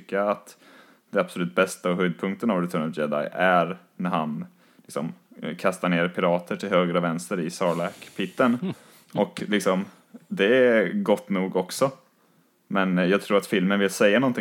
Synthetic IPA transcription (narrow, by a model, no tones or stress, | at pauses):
kːaat̪ | d̪̥ɛab̥sɔlʉːt̪̚bɛst̪aɔɦœːd̪̚pʰɵŋk̚t̪ənavɾɪt̪ʰœːɳəld͡ʒɛd̪a̰jæɾ | næɾhan | lɪksɔmkʰast̪aɳeːɾpʰɪɾɑːt̪ʰəʈʰɪlhøːɡɾəɔvɛnst̪əɾɪsɑːɭɛkpʰɪt̪ːən | ʔɔklɪksɔm | d̪ɛɡɔt̪ːnuːɡɔksɔ | mɛnjɑːɡ̚t̪ʰɾuːɾat̪fɪlmənvɪlsɛjːanɔnt̪ʰɪ